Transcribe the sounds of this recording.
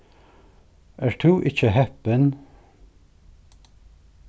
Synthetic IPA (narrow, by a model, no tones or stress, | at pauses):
ʔæːɹt̪ʰʉːʔɪçəɦɛpən